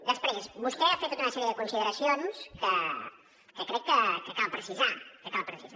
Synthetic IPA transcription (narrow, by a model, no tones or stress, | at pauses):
d̪əspɾezmust̪ɛafet̪ot̪unəsɛɾjəðəkunsiðəɾəsionskə | kəkɾɛkːəkəkalpɾəsizakəkalpɾəsiza